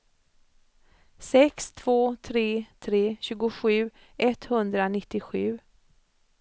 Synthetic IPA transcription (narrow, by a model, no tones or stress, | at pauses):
sɛkst̪ʰv̥oːt̪ʰɾeːt̪ʰɾeːɕʉːɡʊɧʉ̟ː | ʔɛt̪hɵnd̪ɾanɪt̪ːɪɧʉ̟ː